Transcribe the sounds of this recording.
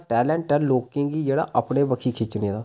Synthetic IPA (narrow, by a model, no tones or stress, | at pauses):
ʈɛːlɛ̃ːɳʈʈɛlloːkẽːɡiːd͡ʒeːɽa̰ːʔəpɽeːbəkʰikʰɪt͡ʃnĩd̪aː